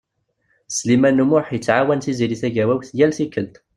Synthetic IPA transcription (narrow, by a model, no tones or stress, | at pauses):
slimænumʊħjət͡sːʕawænθiziɾiθæʝæwæwθjælθikːəlt̪